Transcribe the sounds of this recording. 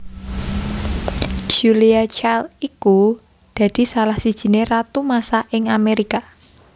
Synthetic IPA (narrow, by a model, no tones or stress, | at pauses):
d͡ʒ̥uliat͡ʃaliku | d̪̥ä̤d̪̥i̤salahsid̥ʒ̥i̤nerat̪umasaʔɪŋameɾika